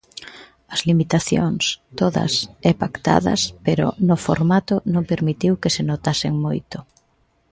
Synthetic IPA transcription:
ɐzlimit̪aθjo̰ŋst̪oðɐ̰sɛpakt̪a̰ðɐ̰speɾʊ̰nʊfo̰ɾmat̪ʊnõŋpeɾmit̪iwkesenot̪asɪŋmojt̪ʊ

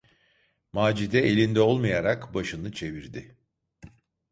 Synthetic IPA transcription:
maːd͡ʒid̪ɛe̞lʲind̪ɛo̞lˠmajaɾakbaʃɯnɯt͡ʃʰe̞viɾd̪ɪ

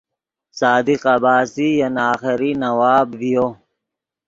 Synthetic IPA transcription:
saːd̪iqɐbaːsijɐnaːxɪɾinɐwaːbvijoː

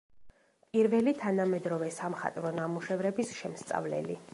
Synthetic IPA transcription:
pʼiɾvɛlit̪ʰanamɛd̪ɾɔvɛsamχa̰t̪ʼvɾɔnamuʃɛvɾɛbisʃɛmst̪sʼa̰vlɛ̰li

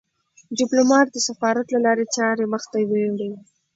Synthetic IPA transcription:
ɖɪplomɑʈ̚d̪əsafɑɾat̪lalɑɾet͡ʃɑɾeməxt̪aweɽi

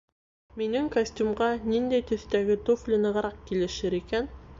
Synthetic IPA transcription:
minɘŋkɐsʲtʲumʁɑnind̪æjt̪ɵ̆θt̪æɡɘt̪oflʲɘ̆nɤ̆ʁɾɑq̚kilɘ̆ʃɘɾikæn

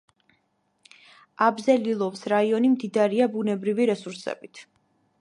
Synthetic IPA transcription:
abzɛlilˠɔfsɾaiɔnimd̪id̪aɾiabunɛbɾiviɾɛsuɾsɛ̰bit̪ʰ

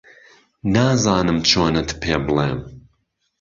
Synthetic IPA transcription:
naːzaːnɨmt͡ʃʰoːnɐt̪ʰpʰeːbɨleːm

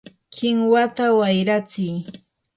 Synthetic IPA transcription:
kɪŋwat̪awajɾat͡sɪj

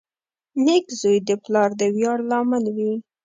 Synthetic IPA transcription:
nekzojd̪əplɑɾd̪əwjɑɽlɑmənwi

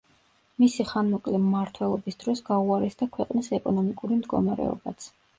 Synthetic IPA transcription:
misiχanmɔkʼlɛmːaɾt̪ʰwɛlˠɔbisd̪̥ɾɔsɡauaɾɛsd̪akʰwɛqʼnisɛkʼɔnɔmikʼuɾimd̪ɡɔ̰maɾɛ̰ɔ̰bat̪sʰ

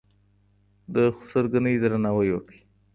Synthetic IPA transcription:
d̪əxʊ̥səɾɡanəjd̪ɾanawəjwəkəi

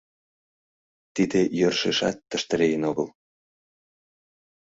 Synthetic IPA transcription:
t̪id̪ejørʃeʃɑt̪ːə̆ʃt̪ə̆ɾejənoɣəl

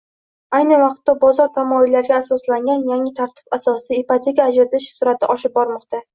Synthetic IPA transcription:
ajnɪvɑqt̪ːabɒzɒɾt̪ʰamɒɪlːaɾɡʲaːsɒslaŋɡʲanjaŋʲɪt̪ʰaɾt̪ʰɪ̥basɒsɪipat̪ʰʲe̞kʲʰaːd͡ʒɾat̪ʰɪʃsʊɾat̪ʰa̰ɒʃɪp̚bɒɾmɒqt̪ʰa

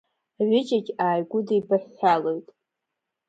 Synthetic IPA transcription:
ʕʷʏd͡ʒaɡʲaːjɡʷʊdejbaħːalojtʼ

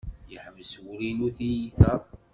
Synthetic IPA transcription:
jəħvəswuɾinuθijiθɑ

